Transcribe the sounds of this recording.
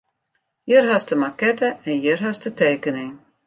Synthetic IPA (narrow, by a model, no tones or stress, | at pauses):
jərɦastəmakɛtəɛnjərɦastəteːkənɪŋ